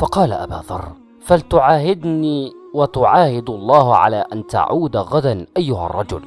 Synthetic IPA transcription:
fɑqɑːla̰ʔa̰ba̰ːðˤɑ̰rˤː | falt̪ʊʕaːɦɪd̪niːwat̪ʊʕaːhɪd̪ɑlˤːɑːhʕa̰laːʔant̪a̰ʕuːd̪aɣad̪anʔajːʊha̰rˤːɑd͡ʒʊ̰l

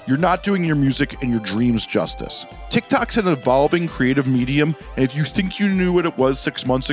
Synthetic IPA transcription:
jə˞nət̚d̥ʉɪ̃ŋjə˞mjʉzɨkɨ̃njə˞dɹĩmzd͡ʒʌ̰stɨ̰s | tʰɪk̚tʰɑksɨ̃nɨ̃vɑlˠvɪ̃ŋkʰɹ̥ieɪɾɨvmiɾiɨ̃m | ɨ̃nɨfjɨθɪ̃ŋkʰjɨnjʉwʌɾɨt̚wʌz̥sɪksmʌ̃nθsɨ

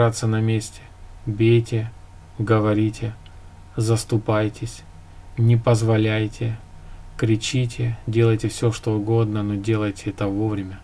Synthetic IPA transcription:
at̪sːənɐmʲesʲtʲɪ̥bʲejtʲɪ | ɡəvɐɾʲitʲɪ | zəst̪ʊpajtʲɪsʲ | nʲɪpəzvɐlʲæjtʲɪkɾʲɪt͡ɕitʲɪdʲe̞lˠəjtʲɪfsʲɵʂt̪o̞ʊɡo̞d̪nənodʲe̞lˠəjtʲɪɛt̪əvovɾʲɪmʲə

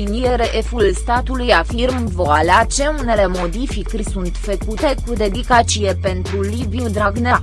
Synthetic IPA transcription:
inieɾeʔefulst̪at̪ulujafirmvoaleat͡ʃe̞unele̞mo̞d̪ifikɾsunt̪fəkut̪e̞kud̪e̞d̪ikat͡ʃije̞pe̞nt̪ɾulibiud̪ɾaɡne

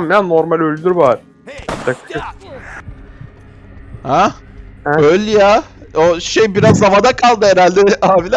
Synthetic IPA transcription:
mmjannːoɾmalʲølʲd̪yɾβaɾ | t̪ʰak̪ʃɯk | ha | ɛølʲjaoʃejbiɾazːamad̪akʰalˠd̪ɯɦeɾalʲd̪ɛaːbilʲa

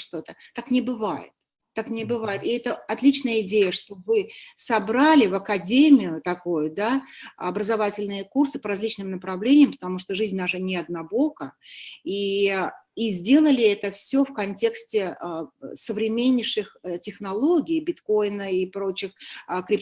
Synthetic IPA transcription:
ʂt̪ot̪ət̪aknʲɪbɨvajɪ̰t̪̚ː | aknʲɪbɨvajɪt̪ɪɛt̪əɐt̪lʲit͡ɕnəjəɪdʲejəʂt̪o̞vɨsɐbɾalʲɪvɐkɐdʲemʲɪjʊt̪ɐkujʊd̪aɐbɾəzɐvatʲɪlʲnɨjəkursɨ̥pəɾɐzʲlʲit͡ɕnɨmnəpɾɐvlʲenʲɪjəmpə̥t̪ɐmuʂt̪oʐɨzʲnʲd̪aʐɨnʲɪɐd̪nɐbo̞kəi | izʲdʲe̞lˠəlʲɪɛt̪əfsʲofkɐnʲtʲe̞ksʲtʲɪ | səvɾʲɪmʲenʲːɪʂɨxtʲɪxnɐlˠo̞ɡʲɪjbʲɪt̪ko̞jnəipɾo̞t͡ɕɪxkɾʲɪp̚

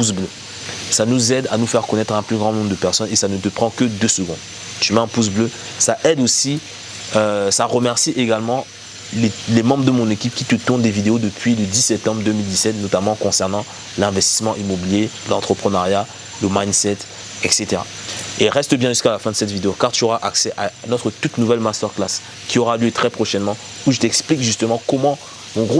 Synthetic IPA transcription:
pusblø | sanuzɛd̪a̰nufɛʁkɔnɛt̪χɛ̃plyɡʁɑ̃nɔ̃bʁd̪əpɛʁsɔnesanət̪əpχɑ̃kəd̪øsəɡɔ̃d̪ | t̪ymɛɑ̃pus̬blø | saʔɛd̪osi | øsaʁəmɛʁsiʔeɡalmɑ̃ | lelemɑ̃bʁd̪əmɔ̃nekʲip̚kʲit̪ət̪uʁnd̪evid̪eod̪əpʰɥiləd̪isɛp̚t̪ɑ̃bʁd̪ømild̪isɛt̪nɔt̪amɑ̃kɔ̃sɛʁnɑ̃ | lɛ̃vɛst̪i̥smɑ̃ʔimobiljelɑ̃t̪χəpχənaʁja | ləmajnsɛt̪ | ɛkset̪eʁa̰ | eʁɛst̪əbjɛ̃ʒyskalafɛ̃d̪əsɛt̪vid̪eokaʁt̪yɔʁaʔaksɛʔanɔt̪χət̪ut̪nuvɛlmast̪œʁklas | kʲiɔʁaljøt̪χɛpχɔʃɛnmɑ̃ | uʒət̪ɛksplikʒyst̪əmɑ̃kɔmɑ̃ | mɔ̃ɡʁo

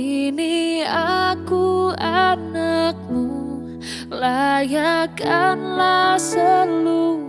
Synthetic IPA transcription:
iniakuanak̚mu | lajakanlasəlu

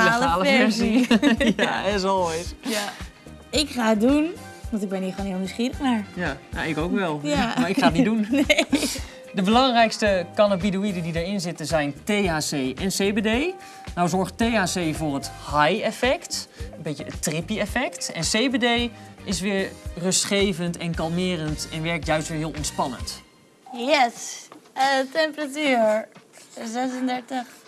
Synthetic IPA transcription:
ləaːləfɛɛsiaɛs̬ɔlˠɔjtja | ɪkχaːət̚dun | ʋɑntɪɡ̚bɛnhiːxʋoːnɦɪːlˠniwsχiːəxnaɹjana̰ɪkowkʋɛlˠaaɹɪkχaːətnidun | dəbəlɑŋrɛjkstəkanabiduidəndidəɹɪnzɪtənzɛjntejaːsejʔɛnsejbedej | nawzɔɹχtejaːsejvʊːrɦəthajɛfɛktənbejtəəttrɪpiɛfɛktɛnsejbedejʔɪs̬ʋɪːɹrɵstχejvəntɛnkɑlˠmɪːrəntɛnʋɛɹk̚tjœɥstʋɪːɹɦɪːlˠɔnspɑnə̰nt | jɛs | tɛmpəratyːɹ | zɛsəndɛɹtəχ

